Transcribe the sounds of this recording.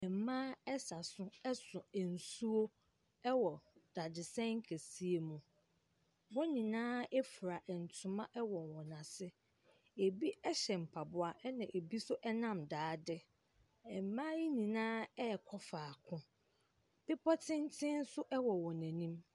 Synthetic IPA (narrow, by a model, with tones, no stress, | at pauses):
ɛ˨m˨mãː˦ɛ˦sa˨sʊ̃˦ɛ˦sʊ̃˨ɛ˨n̩˨su˦o˦ | ɛ˦wɔ˨d̥a˨dɪ˨sɛ̃˦ŋ̩˦kʰæ˨si˦e˨mũ˨ | wɔ˦nĩ˨nãː˦ɛ˦fu˨ɾa˨ʔɛ˨n̩˨tʰʊ̃˨mã˦ʔɛ˦wɔ̃˨nwɔ̃˨nã˨sɪ˦ | e˨bi˦ɛ˦ɕɛ˨m̩˨pʰa˨bʊ˦a˨ʔɛ˦nã˨ʔe˨bi˦sʊ˦ʔɛ˦nã˦mdaː˨˦dɪ˦ | ɛ˨m˨mã˦ji˦nĩ˨nãː˦ɛ˦˨kʰɔ˦faː˨kʰʊ̃˦ | b̥ɪ˦pʰɔ˦tʰɪ̃˦n˦tʰɪ̃˦n̩˦sʊ˦ʔɛ˦wɔ˨wɔ̃˨næ̃˨nĩ˦m